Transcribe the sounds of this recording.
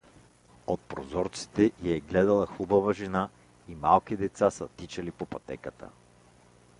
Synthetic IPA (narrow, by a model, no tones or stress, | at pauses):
ot̪̚pɾozɔɾt̪si̥t̪ɛiɛɡlɛd̪əlˠəxubəvəʒɛna | imalˠk̟id̪ɛt̪sasət̪it͡ʃɐlipopɐt̪ɛ̰kət̪ə̰